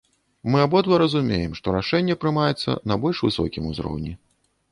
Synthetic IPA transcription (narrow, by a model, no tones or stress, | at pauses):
mɨabɔd̪lˠɐɾɐzumʲejɛmʂt̪ɔɾaʂɛnʲːɛpɾɨmajɛt̪sːɐ̰nɐbɔlʲʂvɨsɔ̰kʲimuzɾɔ̰wnʲi